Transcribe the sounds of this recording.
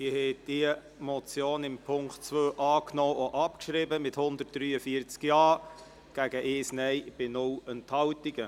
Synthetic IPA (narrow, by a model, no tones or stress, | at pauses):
ihɛd̥iə | mɔt͡sjoːnɪmpʰʊŋktt͡sʋøːʔɑːknɔːoʔɑpkʃɾɪbəmɪthʊnd̪ərt̚d̥ɾyːəfiəɾt͡skjɑː | ɡ̥æɡəʔɪːsnɛɪb̥ɪnʊwənthɑwtiɡə